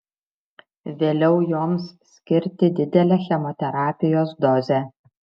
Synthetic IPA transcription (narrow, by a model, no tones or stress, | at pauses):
ʋʲeːlʲɛʊjoːmssʲkʲɪɾʲt̪ʲɪd̪ʲɪd̪ʲɛlʲɛxʲɛmɔt̪ʲɛɾɑːpʲɪjoːsd̪ɔzʲɛ